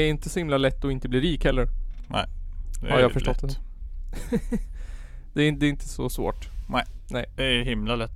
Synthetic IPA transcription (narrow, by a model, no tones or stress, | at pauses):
æɾɪnt̪əsɔhɪmlalɛt̪ːɔɪnt̪əbliːɾiːkhɛlːəɾnɛ̰ɪhaɾjafœʂtɔt̪ː | d̪̥ɛæɾɪd̪ɛɪnt̪ʰə̥sɔsvo̰ːʈnɛɪnɛɪd̥̪ɛæɦɪmlalɛt̪ː